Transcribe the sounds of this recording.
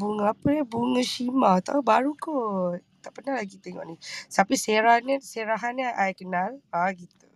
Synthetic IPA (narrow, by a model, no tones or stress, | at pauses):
buŋəapəabuŋəʃimat̪a̰baɾuko | t̪aʔpənalaɡit̪eŋɔ̰ʔnit̪apiseɾahnseɾaɦanaʔajkənalaɡit̪u